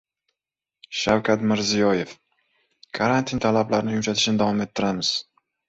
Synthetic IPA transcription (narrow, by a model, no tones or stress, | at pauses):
ʃawkʰʲat̪mɪɾzijɒje̞f | kʰaɾant̪ʰint̪ʰalablaɾɪnɪjʊmʃat̪ʰɪʃnɪd̪avɒme̞t̪ʰːɪɾamɪz̥